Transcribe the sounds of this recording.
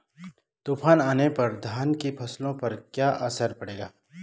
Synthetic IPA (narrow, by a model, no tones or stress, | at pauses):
t̪uːfaːnaːnepɐɾd̪ʱaːnkipʰɐslõpɐɾkjaːʔɐsəɾpɐɽeːɡaː